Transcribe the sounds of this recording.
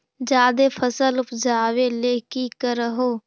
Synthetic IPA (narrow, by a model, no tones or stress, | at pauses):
d͡ʒaːd̪epʰəsəlʊpd͡ʒaːweleːkikəɾəɦoː